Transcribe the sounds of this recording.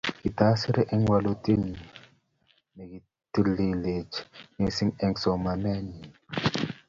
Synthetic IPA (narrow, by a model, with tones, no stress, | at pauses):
ki˨ta˦si˦ɾe˦ʔe˦ŋwa˨lo˦te˦ɲi˨ | me˨ɡi˨ | ti˦li˨le˨t͡ʃɲe˨si˦ŋɛ˦ŋsɔ˨ma˨mɛ˦ɲi˨